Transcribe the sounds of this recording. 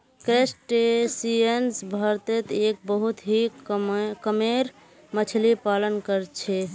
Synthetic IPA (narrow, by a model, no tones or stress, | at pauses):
kesʈesiensbʱəɾt̪et̪ek̚bəɦut̪ɦi | kəmeɾ | mət͡ʃʰlipalənkəɾt͡ʃʰɛ